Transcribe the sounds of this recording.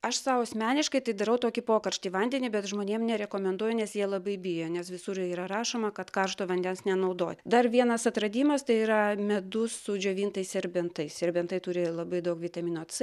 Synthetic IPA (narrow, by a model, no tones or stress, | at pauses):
ɐʃsɑʋosʲmʲæːnʲɪʃkɐɪt̪ɐɪd̪ɐɾɐʊt̪oːkʲɪpoːkɐɾʲʃʲt̪ʲiːʋɐnʲd̪ʲɛnʲibʲɛt̪ʒmoːnʲeːmnʲɛɾʲɛkoːmʲɛnd̪uɔjʊnʲɛsjiɛlˠɐbɐɪbʲɪjonʲɛsʋʲɪsʊɾjiːɾɐɾɑːʃoːmɐkɐt̪kɐrʃt̪oːʋɐnʲd̪ʲɛnsnʲɛnɐʊd̪o̰ːt̪ʲd̪ɐrʋʲiɛnɐsɐt̪ɾɐd̪ʲiːmɐst̪ɐɪiːɾɐmʲɛd̪ʊsʊd͡ʒʲoːʋʲiːnt̪ɐɪssʲɛɾʲbʲɛnt̪ɐɪsʲɛɾʲbʲɛnt̪ɐɪt̪ʊɾʲɪlˠɐbɐɪd̪ɐʊkʋʲɪt̪ɐmʲiːnot̪s